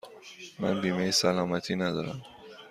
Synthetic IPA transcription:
mæ̰nbiːmejesælɒːmæt̪ʰiːnæd̪ɒ̰ːɾæm

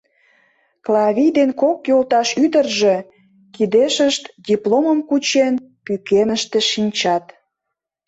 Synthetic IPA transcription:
klɑβʲijd̪enkokjolˠt̪ɑʃyd̪ərʒe | kid̪eʃəʃt̪dʲiploməmkut͡ɕenpykenəʃt̪ĕʃinʲt͡ɕɑt̪

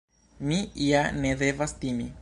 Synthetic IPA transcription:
miijanede̞vastimi

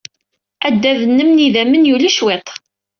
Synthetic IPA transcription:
æd̪ːævənːəmniðæmənjuliʃwet̪ˤ

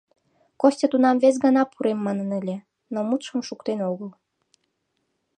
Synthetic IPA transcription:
kosʲtʲet̪unɑmves̬ɡɑnɑpuɾemːɑnənəlʲĕ | nomut̪ʃəmʃukt̪enoɣəl

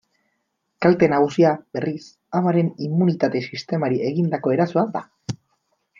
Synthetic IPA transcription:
kalt̪e̞naɣusiabe̞rʔis | amaɾe̞nimːunit̪at̪e̞sist̪e̞maɾiʔe̞ɣind̪ako̞e̞ɾasuad̪a̰

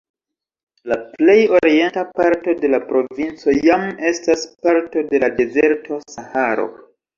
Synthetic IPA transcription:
laple̞jo̞ɾie̞ntapaɾto̞de̞lapɾo̞vint͡so̞jame̞staspaɾto̞de̞lade̞ze̞ɾtʰo̞sahaɾo̞̰

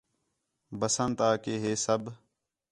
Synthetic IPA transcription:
bəsənt̪aːkeːɦeːsəb

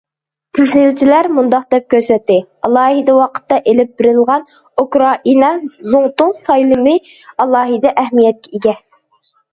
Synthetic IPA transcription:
pʰyzlɪlt͡ʃʰilæɾmund̪ɑq̚d̪ɛp̚kʲʰøɾsɛt̪ːɪɑlˠɑːɦid̪ɑwɑqʰə̥t̪ːɑʔelɪp̚bɪɾɪlˠʁɑn | ukɾɑʔinɑzoŋt̪ʊŋsɑjlˠɨmɨ | ɑlˠɑːɦɨd̪ɛʔæhmijɛt̪̚kʲʰɛiɡʲɛ

